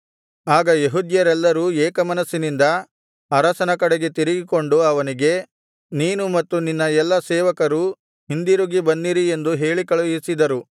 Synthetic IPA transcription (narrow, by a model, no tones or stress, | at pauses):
aːɡɐjeɦud̪jɐɾɛlːɐɾuːɛːkɐmɐnɐsːinind̪ɐ | ɐɾɐsɐnɐkɐɽeɡe̞t̪iɾiɡiko̞ɳɖuɐʋɐniɡe̞ | niːnumɐt̪ːuninːɐɛlːɐsɛːʋɐkɐɾu | ɦind̪iɾuɡibɐnːiɾie̞nd̪uɦe̞ːɭikɐɭuisid̪ɐɾu